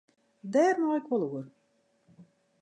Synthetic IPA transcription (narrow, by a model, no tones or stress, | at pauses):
dɛːrnɔːɛkʋɔlˠuər